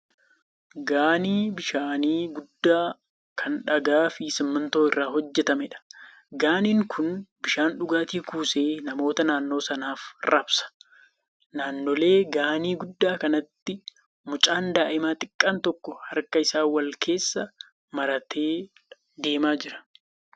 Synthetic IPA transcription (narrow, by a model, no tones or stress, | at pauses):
ɡaːniːbɪʃaːniːɡʊd̪ːaː | kʰɐnᶑɐɡaːfɪsɪmːɐnt̪o̞ːɪrːaːhɔd͡ʒːɛt̪ɐmɛᶑɐ̥ | ɡaːniːŋkʰʊnbɪʃaːnᶑʊɡaːt̪iːkuːse̞ːnɐmo̞ːt̪ɐnaːnːo̞ːsɐnaːfɾɐbsɐ̥ | naːnːɔle̞ːɡaːniːɡʊd̪ːaːkɐnɐt̪ːɪ | mʊt͡ʃʼaːnd̪aːʔɪmaːt̪ʼɪkʼːaːnt̪ɔkːɔhɐɾkɐɪsaːwɐlkʰe̞ːsːɐ | mɐɾɐt̪ʰeː | d̪e̞ːmaːd͡ʒɪɾɐ̥